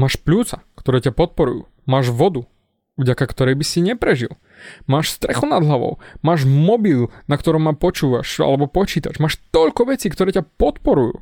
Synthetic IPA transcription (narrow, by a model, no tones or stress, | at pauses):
maːʃpʎuːt͡sakt̪ɔɾɛːcapɔt̪̚pɔɾṵjṵː | maːʒʋɔd̪u | ʋɟakakt̪ɔɾɛjbisiɲɛpɾɛʒḭl | maːʃst̪ɾɛxɔnad̪ɦlaʋɔ̰ʊmaːʒmɔbilnakt̪ɔɾɔmːapɔt͡ʃuːʋa̰ʃa̰lɛbɔpɔt͡ʃiːt̪at͡ʃmaːʃt̪ɔʎkɔʋɛt͡siːkt̪ɔɾɛːcapɔt̪pɔɾujṵː